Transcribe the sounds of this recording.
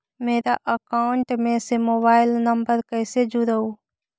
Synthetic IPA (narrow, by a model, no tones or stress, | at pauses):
meːɾaʔəkaːɳʈmẽsemoːbaːɪlnəmbəɾkəɪsed͡ʒuɾəuː